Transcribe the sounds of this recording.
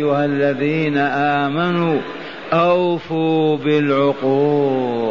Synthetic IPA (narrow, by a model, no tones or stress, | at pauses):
ʊhalːaðiːnaʔaːmanuː | ʔawfuːbɪlʕʊquː